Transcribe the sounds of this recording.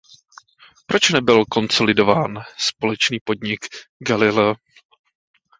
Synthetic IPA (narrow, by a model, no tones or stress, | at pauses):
pɾʔo̞t͡ʃnɛbɪlko̞nso̞lɪdo̞vaːnspo̞lɛt͡ʃniːpo̞dɲɪkɡalɪlɛ